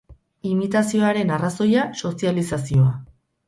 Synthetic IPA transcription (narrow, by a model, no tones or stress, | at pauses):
imit̪asio̞aɾe̞naraso̞jaso̞sialisasio̞a